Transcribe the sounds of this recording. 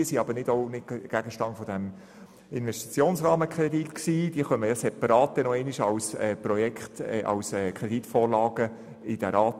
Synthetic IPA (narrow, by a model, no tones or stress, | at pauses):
iəsiɑbənɪdoʊnɪdɡ̥æɡəʃtɑntfɔd̥æm | ɪnʋɛsti̥t͡sjoːnsrɑːməkʰɾɛditksiːd̥iəχœməjɑsɛpɑɾɑːt̚d̪̥ɛnoɛɪniʃɑwsɛːprɔjɛkχt̪ːʔɑ̰wsɛːkʰɾɛditfoːɾlɑːɡ̥ə | ɪd̥ɛɾɑːt